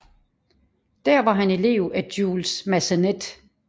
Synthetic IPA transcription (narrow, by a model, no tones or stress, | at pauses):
d̥æɐ̰ʋɑ̈ɦæne̝le̝̰ːʊæd̥juːlsmæsəned̥